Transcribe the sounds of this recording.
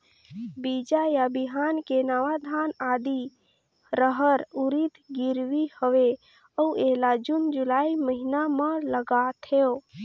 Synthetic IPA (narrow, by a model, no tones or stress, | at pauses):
bid͡ʒajabiɦankenaʋad̪ʱanad̪i | ɾəɦəɾuɾit̪ʰɡiɾʋihəʋe | əueɦlad͡ʒund͡ʒulaiməɦinamələɡat̪ʰeo